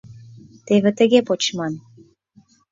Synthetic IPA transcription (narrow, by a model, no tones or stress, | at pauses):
t̪eβĕt̪ə̆ɣepot͡ɕmɑn